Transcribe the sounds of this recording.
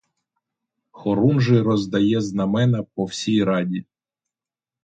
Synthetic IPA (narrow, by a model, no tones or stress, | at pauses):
xɔɾunʒɪɾɔzd̪ɐjɛznɐmɛnɐpɔwsʲijɾɑdʲi